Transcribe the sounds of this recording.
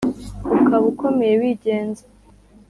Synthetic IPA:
ukaβukʰo̞me̞jewiːɟe̞ːnze

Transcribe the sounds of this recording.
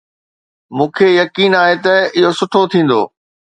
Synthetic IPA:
mũːkʰejɐkiːnaːɦet̪ɐɪɦosʊʈʰot̪ʰĩːn̆d̪o̰ː

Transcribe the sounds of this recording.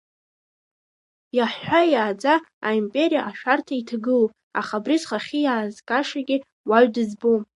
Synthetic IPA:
jaħħʷajaːd͡zaaimpʼe̞ɾijaʔaʃᶣartʰaitʰaɡɨl | aχabrizχaχʲijaːzkʼaʂaɡʲɪ | waɥdɨzbo

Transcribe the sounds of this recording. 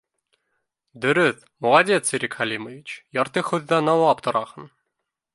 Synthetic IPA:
d̪ɵ̆ɾɵθ | molˠɑd̪ʲet̪siɾʲikχælʲimovʲit͡ɕjɑɾt̪ɤχɵðːɑnɑwɑpt̪ŏɾɑhɤn

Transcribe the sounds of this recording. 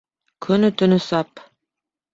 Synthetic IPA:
kʰɵnɵt̪ɵ̆nɵsɑp

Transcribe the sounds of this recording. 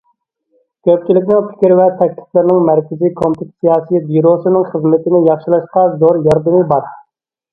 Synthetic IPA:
kʲʰøp̚t͡ʃilɪkʲnɪŋpʰɪ̥kʲɾɪvɛt̪ʰɛk̚ʲt̪ʰɪ̥flɪɾnɪŋmæɾkʲɪzikʰomt̪ɪt̪sijɑːsijbiɾosɨnɪŋχəzmɪt̪ɪnɪjɑχʃilˠɑʃqɑzoɾjɑɾd̪ɨmɨbɑɾ

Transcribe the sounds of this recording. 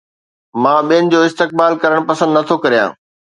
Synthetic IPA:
mãːɓijənɪ̆d͡ʑoːɪst̪ɪk̚baːlkɐɾəɽ̃pɐsə̃nd̪nɐt̪ʰokɐɾijã̰ː

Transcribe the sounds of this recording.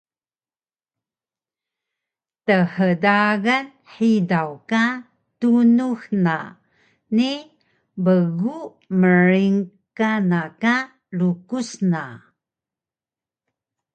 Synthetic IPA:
təħədaɣan | ħidawka | tunuxna̰ | ni | bəɣu | məɾiŋkanaka | lukusna

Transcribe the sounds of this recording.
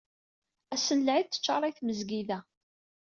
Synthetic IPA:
æsːənlʕiðt͡s̪ːə̥t͡ʃːɑɾˤæjθməzɡiðæ

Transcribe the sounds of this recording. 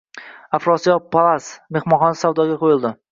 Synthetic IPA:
afɾɒsijɒpʰalˠasme̞χmɒnχɒnsawd̪ɒɡʲaqʰojɪlˠd̪ɪ

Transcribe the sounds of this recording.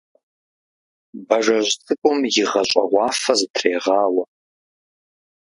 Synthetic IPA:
bɐʐɐʑʷtʼɨkʷʼʊmjɪʁɐɕʷʼɐ̰ʁʷɑːfɐzɨtʰreːʁɑːwɐ

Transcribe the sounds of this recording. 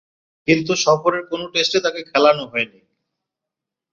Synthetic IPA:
kint̪̬uʃɔfoɾeɾkonoʈesʈet̪akekʰɛlanoɦɔeni

